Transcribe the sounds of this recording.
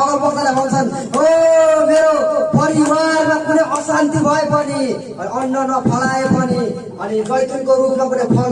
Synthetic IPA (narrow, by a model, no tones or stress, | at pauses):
ʌɾopʌst̪alabʱʌnt͡sʰʌn | omeɾopʌɾiwarmakuneʔʌsant̪ibʱʌepʌni | ʌnːʌnʌpʰʌlaepʌni | ʌnibʌjt̪ʰikoɾupmʌk̬unepʰʌl